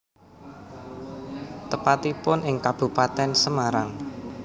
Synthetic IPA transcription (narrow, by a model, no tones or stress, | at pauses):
t̪əpat̪ipʊnɪŋkab̥ṳpat̪ɛnsəmaɾaŋ